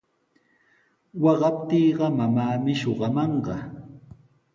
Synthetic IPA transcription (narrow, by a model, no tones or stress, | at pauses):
wɑɢɑpt̪iːɢɑmamaːmɪʃoɢɑmɑɴɢɑ